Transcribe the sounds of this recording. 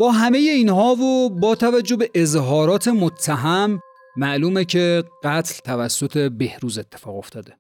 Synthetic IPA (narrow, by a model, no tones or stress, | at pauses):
b̥ɒːɦæme̞je̞iːnɦɒːvobɒːt̪ʰævæd͡ʒːo̞be̞ʔezɦɒːɾɒːt̪ʰe̞mot̪ʰːæɦæmː | æʔluːmecʰe̞ɢ̥æt̪ʰlt̪ʰævæsːo̞t̪ʰe̞be̞hɾuːze̞t̪ʰːefɒːɣo̞ft̪ʰɒːd̪e